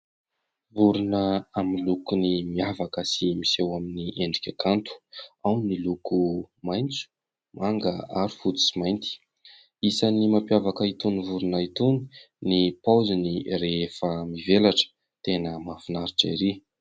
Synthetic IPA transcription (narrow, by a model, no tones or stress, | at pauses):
vuɾunəaminlukunimiavakəsimisewaminiʔeɳɖ͡ʐikʲakant̪u̥awnilukumajnt͡su̥ | maŋɡəaɾi̥fut̪u̥simajnt̪i̥ | isanimampjavakəit̪univuɾunait̪uni̥ | nipawzinireefəmivelaʈ͡ʂə̥ | t̪enəmafinaɾiʈ͡ʂaiɾe